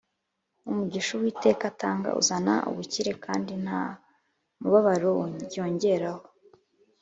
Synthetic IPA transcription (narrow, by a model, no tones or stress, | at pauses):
umuɟiʃuwiːte̞ːkataːŋɡa̰ʔṵzana̰ʔṵβuciɾe̞kʰaːndin̥ha̰ | muβaβaɾoo̞ːɲɟe̞ɾaho